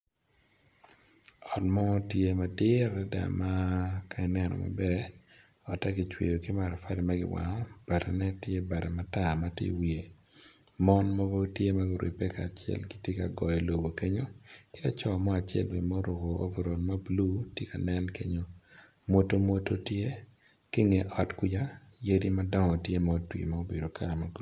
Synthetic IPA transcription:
ɔ˨tmɔ˦tje˦ma˨dɪ˦ɾɛ˦da̰˨ma˦ka˦ɛ˦nɛ˦nɔ̰˨ma̰˨bɛ˦ | ɔ˨ta˦ɡɪ˨t͡ʃwḛ˨jo˨kɪ˦ma˨ɾɔ˨fa˦dɛ˨ma˦ɡɪ̰˦wa̰˨ŋɔ˦b̥a˨ɾɛ˨nɛ˦tje˦ba˨ɾɛ˨ma˦ta˦˨ma˦tɪ̰˦wi˨e˨ | mɔ˦nmɔ˦vo˦tje˦ma˦ɡɪɾwʔḛ˨pɛ˦ka˨t͡ʃɪɛ̰˨lɡɪtje˦ka˨ɡɔ˨jɔ˨lo˨bo˨ke˦ɲo˦kɪ˦da˦t͡ʃɔ˦˨mɔ˦a˨t͡ʃɛ̰˨lwe˨mɔ˦ɾo˨ɡo˨o̰˦ve˨ɾo˨lma˦blu˦tje˦ka˨nɛ˦nke˦ɲo˦ | mwo˦to˦mwo˦to˦tje˦ | kɪ˦ŋe˨ʔɔ˦tkwi˦d͡ʒa˦ | je˦di˦ma˦dɔ˦ŋɔ˨tje˦mɔo˦twḭ˨ma˦o˦be˨do˨ka˦ɾa˨ma˨ɡ

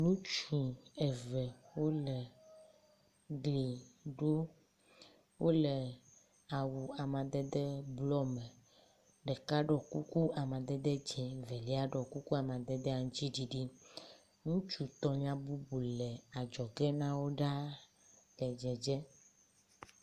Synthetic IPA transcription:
nũ˦t͡ʃi˨ɛ˨vɛ˨wo˦lɛ˨ | ɡli˨ɖo˦ | wʔo˦lɛ˨ | a˨wu˨a˨mã˨d̪ɛ˦d̪ɛ˦blɔ˦mɛ̃˨ | ɖɛ˨ka˦ɖɔ˨ku˦ku˦a˨mã˨d̪ɛ˦d̪ɛ˦d͡ʒɛ̃˨vɛ˨li˦a˦ɖɔ˨ku˦ku˦a˨mã˨d̪ɛ˦d̪ɛ˦a˨ŋ˦t͡ɕi˦ɖi˦ɖi˦ | ŋũ˦t͡ʃu˨t̪ɔ˨ɲã˦bu˦bu˨lɛ˨a˨d͡ʒɔ˨ɡɛ˦nã˦wo˦ɖa˦ | lɛ˨d͡ʒɛ˨d͡ʒɛ˦

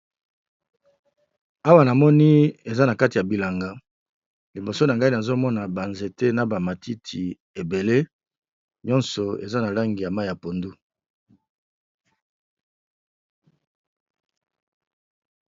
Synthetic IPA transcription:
a˦wa˦na˨mɔ˦ni˦e˨za˦na˨ka˦ti˨ja˨bi˨la˨ŋɡa˦ | li˨bo˨so˦na˨ŋɡa˦i˦na˨zo˦mɔ˦na˨ba˨nze˨te˦na˨ba˨ma˨ti˦tʰi˨ | e˨be˨le˦ | ɲɔ˦nsɔ˨ḛ˨za˦na˨la˦ŋɡi˨ja˨ma˦i˨ja˨po˨ndu˦

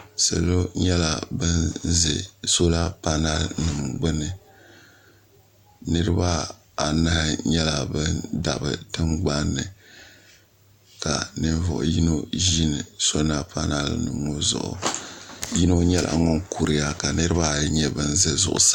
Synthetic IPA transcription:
sa˨lo˦ɲɛ˦la˨bɨ˦nzɛ̰˨so˦la˦pa˦na˦lnɨ˨mɡ͡bɨ˦nɨ˨ | nɨ˦ɾɨ˦ba˦ | a˨nɨ˦hɪ˦ɲɛ˦la˨bɨ˦nda̰˨bɨ̰˨tɨ˦ŋɡ͡ba˦nːɨ˨ | ka˨nɨ˦n˦vɔ̰˨ʔʊ̰˨ji˦no˦ʒi˦nɨ˨so˦na˦pa˦na˦lnɨ̰˨ŋo˦zʊ̰˨ʔʊ̰˨ | ji˦no˦ɲɛ˦lʔa̰˨ŋɔ˦ŋku˨ɾɨ˨˦a˦ka˨nɨ˦ɾɨ˦ba˦ɲɛ˦bɨ˦nzɛ˦zʊ̰˨ʔʊ̰˨sa˦

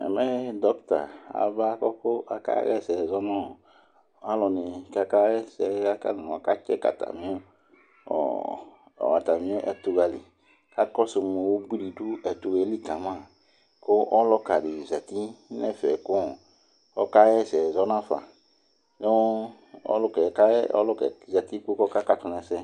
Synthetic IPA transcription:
ɛ̰˨mɛ̃˦d̪ɔ˦kt̪a̰˨a̰˨va˦kɔ˦ko˦ʔa̰˨ka̰˦ɣɛ˦˨sɛ˨zɔ˦nã˦o˨ | a˦lɔ˨ne˨ka˨ka˦ɛ˦sɛ˨˦ka˦ka̰˦nã˨ɔ̃˨ka˦t͡ʃɛ˦ka̰˨t̪a̰˨mĩ˦o˦ | ɔ̰˨ | wa˨t̪a˨mĩ˦o˦ʔɛ̰˦t̪u˨ɡa˨lḭ˨ | ka˦kɔ˦so˨mẽ˨wo˦ɡ͡bi˦ɾi˨du˦ɛ˨t̪u˨ɡɛ˨˦li˦kã˨mã˦˨ | ko˦ʔɔ˦lɔ˦ka˨ɖi˨zɛ˨t̪i˦nɛ˦fɛ˨ko˦ɔ˨ | ɔ˦ka˦jɛ˦sɛ˨zɔ˦nã˦fa̰˨ | ne˦ | ɔ̰˦lkɛ˨ka˦ɔ˦lɔ˦kɛ˨zɛ˨t̪i˦k͡pu˦kɔ˦ka˦ka˦t̪u˨nɛ̃˨sɛ˦

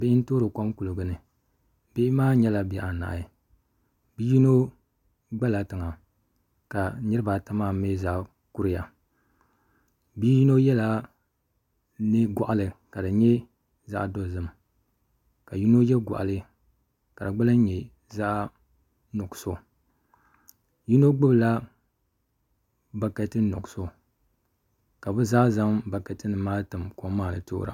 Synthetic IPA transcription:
bɪ˦ɪ˦n̩˦to˦ɾo˨ka˦mku˨lɨ˨ɡɨ˨nɨ˨ | be˦ɪ˦maː˦ɲɛ˦la˨bɛ˨ʔa˨na̰˨ʔ | bi˦ji˦no˦ | ɡ͡ba˦la˨tɨ˨ŋa˨ | ka˨˦ɲɨ˦ɾɨ˦ba˨ta˦ma˦me˦za˦ʔ | ku˦ɾɪ˨ja˨ | bi˦ji˦no˦jɛ˦la˨ | nɨ˦ɡɔ̰˨ʔa˨lɨ˨ka˨dɨ˨ɲɛ˦ | za˦ʔdo˦zɨ˦m | ka˨ju˦no˦jɛ˦ɡʷa̰˨ʔa̰˨lɨ˦ | ka˨dɨ˨ɡ͡ba˦la˦ɲɛ˨ | za˦ʔ | nɔ˨kso˦ | ju˦no˦ɡ͡bʊ˦bla˦ | ba˨ka˨tɨ˦nɔ̰˨kso˦ | ka˨bɨ˦za˦za˦mba˨ka˨tɨ˦nɨ˨maː˦tɨ˨mkɔ˦maː˦˨nɨ̰˨to̰˦ɾa̰˨

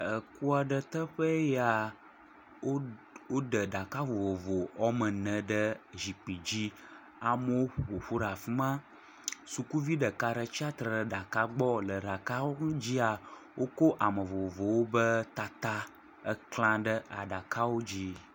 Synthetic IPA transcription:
ə˨ku˦a˨ɖə˨t̪ə˦ɸə˦ja˨ | o˦wo˦ɖə˨ɖa˨ka˦vo˨vo˨vo˨ɔ˦mə̃˨nə̃˨ɖə˦zi˨k͡pi˨d͡ʑi˦ | a˨mə˦wo˦ɸɸo˨ɸu˦ɖa˨fi˦mã˦ | su˨ku˦vi˦ɖə˨ka˦ɖə˨t͡ɕi˦a˦t̪ɾɖə˨ɖa˨ka˦ɡ͡bɔ˦lə˨ɖa˨ka˦wo˦ŋ˦d͡ʑi˦a˨ | wʔo˦ko˦ʔa˨mə˨vo˨vo˨vo˨wo˦bə˦t̪a˦t̪a˦ | ə˦klã˦ɖə˦ʔa̰˨ɖa˨ka˦wo˦d͡ʑi˦

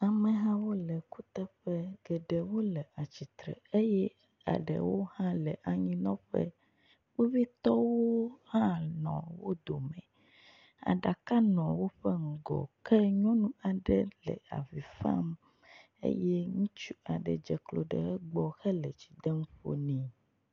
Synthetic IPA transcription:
a˨mɛ̃˨ɦã˦wo˦lɛ˨ku˦t̪ɛ˦ɸɛ˦ɡ̥ɛ˨ɖɛ˨wo˦lɛ˨a˨t͡ɕi˨t̪ɾɛ̰˨e˦jɛ˦ | a̰˨ɖɛ̰˨wo˦hã˦lɛ˨ʔa˨ɲĩ˦nɔ̃˦ɸɛ̰˦ | k͡po˦vi˦t̪ɔ˦wo˦hã˦nɔ̰̃˨wo˦d̪o˨mɛ̃˨ | a̰˨ɖa˨ka˦nɔ̃˨wo˦ɸɛ˦ŋ̩˨ɡɔ̰˨kɛ˦ɲɔ̃˦nũ˦a˨ɖɛ˦lɛ̰˨a˨vi˨fã̰˦m | ḛ˦jɛ˦ŋũ˦t͡ʃu˦a˨ɖɛ̰˨d͡ʒɛ˨klo˨ɖɛ̰˨ɛ˦ɡ͡bɔ˦xɛ˦lɛ˨t͡ɕi̥˨d̪ɛ˦m˦ɸo̰˦nĩ˨

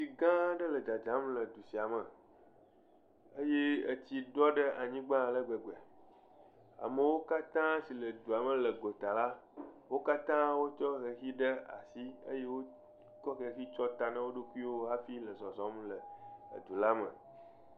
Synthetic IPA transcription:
si˨ɡã˦ɖə˦lə˨d͡ʒa˨d͡ʒã˨˦mlə˨d̪u˨si˨a˨mə˨ | ə˦je˦ə˨t͡ɕ̪i˨ɖɔ˦ɖə˦ʔa˨ɲĩ˦ɡ͡bã˦˨lə˦ɡ͡be˨ɡ͡be˨ | a̰˨mə˨wo˦ka˦t̪ã˦si˨lə˨d̪u˨a˨mə˨lə˨ɡo˨t̪a˨la˦wo˦ka˦t̪ã˦wo˦t͡ʃɔ˦ɣe˨xi˦ɖə˦a̰˨si˦ə˦je˦wo˦ | kɔ˦xə˨xi˦t͡ʃɔ˦t̪a˨nã˦wo˦ɖo˦ku˦i˦wo˦ɦa˦fi˦lə˨zɔ̃˨zɔ̃˨˦mlə˨ə̰˨d̪u˨la˦mə̰̃˨

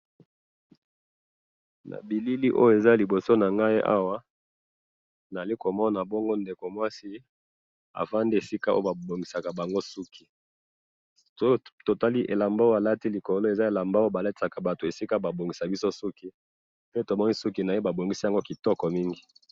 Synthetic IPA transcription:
na̰˨bi˨li˦li˦ʔo̰˦jo˨e˨za˦li˨bo˨so˦na˨ŋɡa˦i˦ʔa̰˦wa˦ | na˨li˦ko˨mɔ˦na˨bɔ˦ŋɡo˦nde˨ko˨mwa˦si˦ | a̰˨fa˦ndi˦e˨si˦ka˦ʔo̰˦o˦ba˨bo˨ŋɡi˨sa˨ka˨ba˨ŋɡo˦su˦kʰi˨ | o˦to˨ta˦li˦ʔe˨la˨mba˦a˨la˦ti˦li˨ko˨lo˦e˨za˦e˨la˨mba˦o˦o˦ba˨le˦tsa˨ka˨ba˨to˨e˨si˦ka˦ba˨bo˨ŋɡi˨sa˨bi˦so˦su˦ki˦ | pe˦to˨mɔ˦ni˦su˦ki˨na˨je˦ba˨bo˨ŋɡi˦si˦a˨ŋɡo˦ki˨tɔ˦kɔ˨mi˦ŋɡi˨

